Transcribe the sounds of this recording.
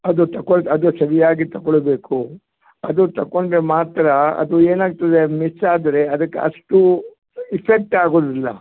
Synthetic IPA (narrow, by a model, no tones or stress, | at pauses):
ɐd̪ut̪ɐkoɭɐd̪usɐɾijaːɡit̪ɐkoɭbe̞ːku | ɐd̪ut̪ɐkːoɳɖɾemaːt̪ɾɐɐ̰d̪ueːnaːɡ̚t̪id̪emisaːd̪ɐɾe̞ɐd̪ɐkːḛɐ̰ʂʈu | ipʰek̚ʈaːɡoːd̪ilːɐ̰